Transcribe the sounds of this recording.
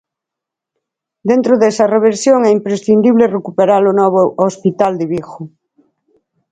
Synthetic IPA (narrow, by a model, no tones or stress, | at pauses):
d̪ẽnt̪ɾoðɛsɐreβ̞eɾsjoŋɛimpɾesθind̪iβlerekupeɾalonɔβ̞oospit̪ald̪ɪβixʊ